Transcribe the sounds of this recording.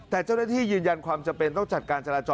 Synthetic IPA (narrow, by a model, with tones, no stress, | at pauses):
t̪ɛː˨˩t͡ɕaː˥˩wnaː˥˩t̪ʰiː˥˩jɯː˧nja˧nkʰwaː˧mt͡ɕa˧mpe˧nt̪ɔ˥˩ŋt͡ɕa˨˩t̪̚kaː˧nt͡ɕa˧ɾaː˧t͡ɕɔː˧